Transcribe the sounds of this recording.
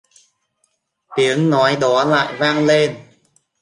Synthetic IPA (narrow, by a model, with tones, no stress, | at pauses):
t̪i˨˦əŋnɔ˨˦jɗɔ˨˦la̰ː˧˨jvaː˧ŋle˧n